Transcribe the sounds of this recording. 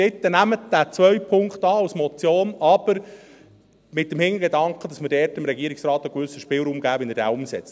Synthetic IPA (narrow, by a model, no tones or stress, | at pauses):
ɪtːənæmət̚d̥æːt͡sʋœɥpʰʊŋkχtɑːɑwsmɔt͡sjoːnɑb̥əɾ | mɪt̚dəmhɪŋəɡedɑŋkχəd̥ɑsməɾdɛːɾtɪmɾɛɡiəɾiksɾɑːt̪əkʋʏsːəʃpɪlɾuːmɡæːʋɛnəɾdɛ̰ːʊmsɛt͡st